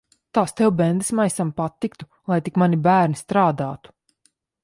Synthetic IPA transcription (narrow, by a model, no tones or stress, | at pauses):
t̪aːst̪ɛwbɛnd̪ɨsmajsampat̪ːikt̪u̥ | lˠajt̪ikmanibæːɾnist̪ɾaːd̪aːt̪u̥